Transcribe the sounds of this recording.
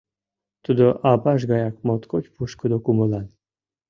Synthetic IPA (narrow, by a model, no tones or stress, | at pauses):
t̪ud̪oʔɑbɑʃ̬ɣɑjɑk̚mot̪kot͡ɕʲpuʃkəd̪okumɤ̆lɑn